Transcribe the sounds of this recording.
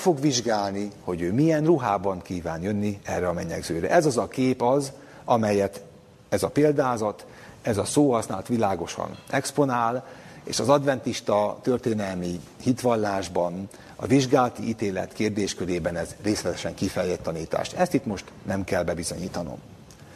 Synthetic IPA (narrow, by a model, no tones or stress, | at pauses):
fo̞ɡʋiʒɡaːlniho̞ɟøːmiɛnruɦaːbɒŋkiːvaːnjønːiɛrːɛɒmɛɲɛɡzøːɾɛ̰ʔɛzɒzɒkeːpɒz | ɒmɛjɛt̪ | ɛzɒpeːld̪aːzɒt̪ | ɛzɒsoːɦɒsnaːlt̪ʋilaːɡo̞ʃɒ̰nɛkspo̞naːlḛːʃɒzɒd̪vɛnt̪iʃt̪ɒt̪ø̞rt̪eːnɛlmihit̪ʋɒlːaːʒbɒn | ɒ̰viʒɡaːlt̪iʔiːt̪eːlɛ̰t̪keːrd̪eːʃkøɾeːbɛnɛzreːslɛt̪ɛʃɛŋkifɛjlɛt̪ːɒniːt̪a̰ːʃɛst̪it̪mo̞ʃt̪nɛmkɛlbɛbizo̞̰ɲiːt̪ɒno̞̰m